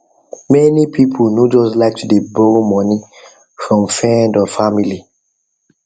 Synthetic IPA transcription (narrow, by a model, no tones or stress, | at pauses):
mɛnipʰipʰonod͡ʒɔslaɪk̚tdebomɔni | fɹɔ̃mfɹɛ̃ndɔfamili